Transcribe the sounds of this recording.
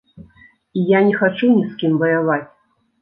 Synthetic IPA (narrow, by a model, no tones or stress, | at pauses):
ijanʲɛxat͡ʂunʲiskʲimvɐjavat͡sʲ